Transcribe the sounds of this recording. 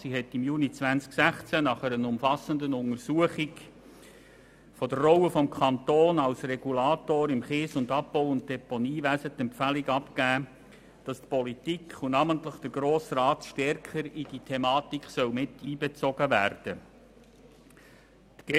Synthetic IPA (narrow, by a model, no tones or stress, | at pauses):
siɦɛtɪmjuːnit͡svænsksæχt͡sænɑχɛɾənʊmfɑsəndənʊŋəɾsuəχik | fɔdərːɔwəfɔmkʰɑnt̪oːnɑlsrɛɡulɑːt̪oːɾɪmχɪːsʊndɑppɔʊʊnt̚d̥ɛponiːʋæsət̪ɛmpfæliɡɑpkæː | d̥ɑstpɔlitikχunɑːməntləχd̥əɾɡɾoːsrɑːtʃtɛrkəɾid̥itʰɛmɑːt̪ikχsœwmɪtiːbɛt͡sɔɡ̥əvæːɾd̥ə | t̪ɡ̥ɛ